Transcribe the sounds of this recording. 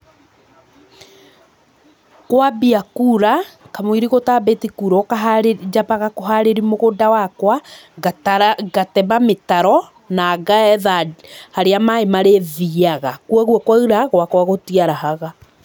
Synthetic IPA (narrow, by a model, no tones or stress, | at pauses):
kwabiakuːɾa | kamoiɾiɣotaːbetikuːɾɔkaɦad͡ʒapaɣakoɦaɾeɾimoɣodawakwa | ɡatɛmametaɾɔ | naːɡaɛðahaɾeamaemaɾeðiaɣakwaɣwɔkwauɾaɣwakwaɣotiaɾaɦaɣa